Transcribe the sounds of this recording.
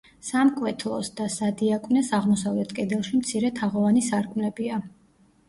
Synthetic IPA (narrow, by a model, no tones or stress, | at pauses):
samkʼwɛt̪ʰlˠɔsd̪asad̪iakʼvnɛsaʁmɔsavlɛt̪ʰkʼɛd̪ɛlˠʃimt̪sʰiɾɛt̪ʰaʁɔvanisaɾkʼmlɛbia